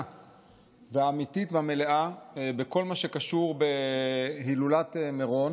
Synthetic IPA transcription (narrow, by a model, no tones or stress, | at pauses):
veaːmititveame̞le̞ʔabeko̞lmaʃe̞kaʃuʁbe̞ɦilulat̪emeʁon